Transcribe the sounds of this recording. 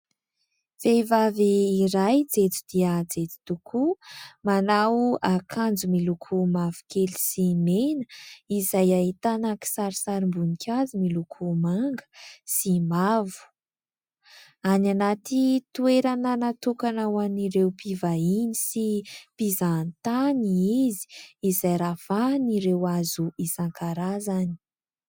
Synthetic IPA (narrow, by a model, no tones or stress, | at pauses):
fejvaviːɾajd͡zet͡su̥d̪̥iəd͡zet͡s̪i̥t̪ukʰumanawakʰand͡zumilukʰumavu̥kʰeli̥simenəizajaɦit̪anaki̥saɾisaɾimbunikʲʰazimilukʰumaŋɡə̥simavu̥ | ananat̪it̪ueɾananat̪ukanawaniɾewpivainisipizant̪aniizi̥ːzajɾafaniɾewazuisaŋkaɾazani̥